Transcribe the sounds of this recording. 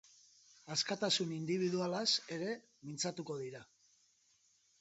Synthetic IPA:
askat̪asunind̪iβ̞iðualase̞ɾe̞ | mint͡sat̪uko̞ð̞iɾa

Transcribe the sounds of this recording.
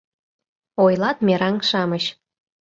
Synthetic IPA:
ojlɑt̪meɾɑŋʃɑməɕ

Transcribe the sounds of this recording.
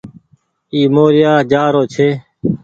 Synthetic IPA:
iːmoːɾɪjaːd͡ʒaːɾoːt͡ʃʰeː

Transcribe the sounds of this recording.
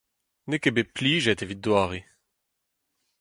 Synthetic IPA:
nekebepliːʒɛt̪evit̚d̪waːʁi

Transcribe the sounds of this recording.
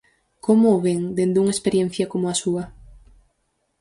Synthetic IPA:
komʊːβeŋd̪end̪uŋespeɾjen̟θjɐkomʊasuɐ

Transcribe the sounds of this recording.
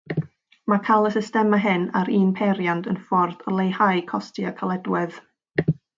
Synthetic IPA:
makʰalˠəsɪstɛmaɦɪnaɾiːnpʰɛɾjandənfɔrd̥ɔlˠejhajkʰɔstiakʰalˠɛdwɪð̥

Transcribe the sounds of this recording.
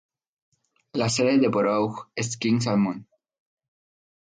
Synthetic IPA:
laseɾeðepoɾowxeskiŋs̬almõn

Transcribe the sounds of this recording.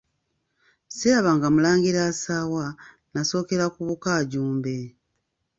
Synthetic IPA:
siaβaŋɡamulaːŋɡiɾaːsaːwa | naso̞ːke̞ɾakuβukaːɟuːmbe̞

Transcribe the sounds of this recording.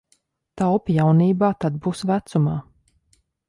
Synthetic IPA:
t̪awpjawniːbaːt̪ad̪̚buːsvæt̪sumaː

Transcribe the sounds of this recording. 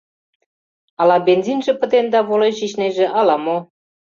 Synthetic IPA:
ɑlɑbenzinʒĕpə̆t̪end̪ɑβoleʑiʃneʒĕʔɑlɑmo

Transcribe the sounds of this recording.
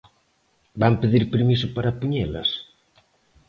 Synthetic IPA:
bampeðiɾpeɾmisʊpaɾapuɲelɐ̰s

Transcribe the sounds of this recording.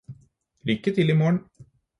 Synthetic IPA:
lʏkːət̪ʰɪliːmoːɳ

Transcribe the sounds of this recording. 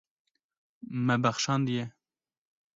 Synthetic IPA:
mɛbɛxʃɑːnd̪ijɛ

